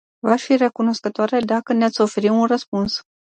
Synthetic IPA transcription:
vaʃfire̞kuno̞skət̪oaɾed̪akəneat̪sʲo̞fe̞ɾiunrəspuns

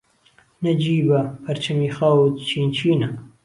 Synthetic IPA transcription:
nɐd͡ʒiːbɐpʰɐɾt͡ʃʰɐmiːxɐwd̪t͡ʃʰiːnt͡ʃʰiːnɐ

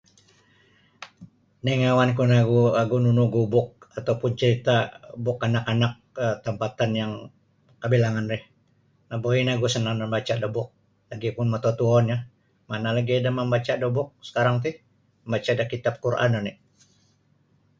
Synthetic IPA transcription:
niŋawankunaɡuaɡununuɡubʊk̚at̪aupʊnt͡ʃəɾit̪abʊkanakanak̚ət̪əmpat̪anjaŋ | kəbilaŋanrɪh | naboinaɡusənaməmbat͡ʃadəbʊk̚ | laɡipʊnmɔt̪ɔt̪uɔnja | manalaɡiadaməmbat͡ʃadəbʊk̚sə̥kaɾaŋt̪̬ɪh | məmbat͡ʃadakit̪ap̚kuɾʔa̰nanɪ

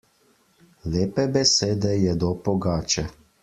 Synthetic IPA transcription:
leːpɛbɛseːd̪ɛjɛd̪ɔpɔɡaːt͡ʃɛ

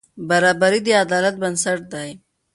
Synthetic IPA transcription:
baɾɑbaɾid̪əad̪ɑlat̪̚bansaʈ̚d̪aj

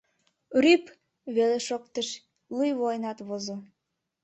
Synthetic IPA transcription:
ryp | βeleʃok̚t̪əʃ | lujβojnɑt̪βozo

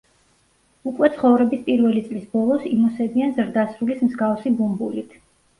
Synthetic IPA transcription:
ukʼwɛt̪sʰχɔvɾɛbispʼiɾvɛlit̪sʼlisbɔlˠɔsimɔsɛb̪ianzɾd̪asɾulismzɡafsibumbulit̪ʰ

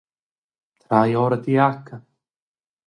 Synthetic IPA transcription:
t̪ʰɾaːjɔːɾat̪iakʰːa

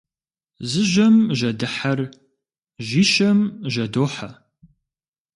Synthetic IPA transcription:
zɨʒɐmʒɐdɨħɐr | ʒiːʃɐmʒɐdoːħa

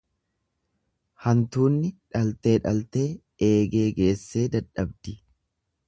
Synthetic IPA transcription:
hɐnt̪uːnːɪᶑɐlt̪e̞ːᶑɐlt̪e̞ː | ʔe̞ːɡe̞ːɡe̞ːsːe̞ːd̪ɐᶑɐbd̪ɪ

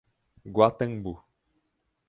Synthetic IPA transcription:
ɡwat̪əŋbu

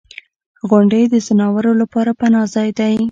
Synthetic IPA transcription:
ɣʊɳɖəjd̪əzɪnɑwəɾolapɑɾapanɑzɑjd̪aj

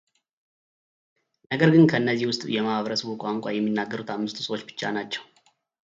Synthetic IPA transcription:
nəɡəɾɡɨnkʰəɨnːəzːihwʊst̪ʼjɛmahaβəɾəsəβukʼaŋkʼajɛmːinːaɡːəɾut̪ʰamːɨst̪ʰu̥səwo̞t͡ʃːbɨ̥t͡ʃːanat͡ʃːɛ̥w

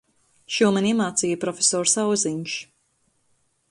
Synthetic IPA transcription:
ʃuɔmɛniɛmaːt̪siːjəpɾɔfʲesɔːɾsawziɲʃ

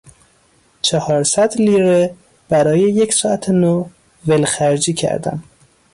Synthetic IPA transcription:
t͡ʃʰehɒːɾsæd̪liːɾe | b̥æɾɒːjejecʰsɒːæt̪ʰeno | velxæɾd͡ʒiːcʰæ̰ɾd̪æ̰m

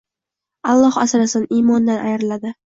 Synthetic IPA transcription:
ɑlˠːɒhasɾasɪnimɒnd̪anʔajɾlad̪ɪ

